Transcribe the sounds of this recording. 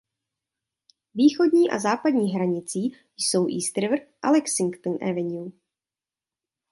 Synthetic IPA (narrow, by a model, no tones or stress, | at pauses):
viːxodɲiːʔa̰zaːpadɲiːɦɾaɲɪt͡siː | jso̞wʔiːst̪ɾvrʔa̰lɛksɪŋkt̪ənʔɛ̰vɛɲu